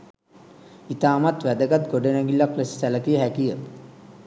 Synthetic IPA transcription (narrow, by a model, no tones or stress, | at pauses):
it̪aːmat̪ʋæd̪əɡat̪ɡoɖenɛŋɡilːakləsi̥sæləkijəɦækijə